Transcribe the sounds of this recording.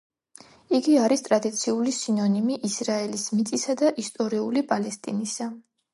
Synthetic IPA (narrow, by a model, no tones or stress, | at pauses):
iɡiaɾist̪ʼɾad̪it̪sʰiulisinɔnimiʔisɾaɛlismit̪sʼisad̪aʔist̪ʼɔɾiulipʼalɛst̪ʼinisa